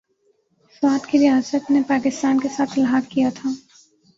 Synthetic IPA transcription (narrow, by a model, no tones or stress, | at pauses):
swaːt̪kiɾijaːsət̪nepaːkɪst̪aːnkesaːt̪ʰlɦaːkːijat̪ʰaː